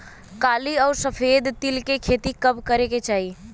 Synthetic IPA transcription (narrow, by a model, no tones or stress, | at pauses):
kaːliɔːɾsəpʰeːd̪t̪ilkekʰet̪ikəbkəɾeket͡ʃaːɦi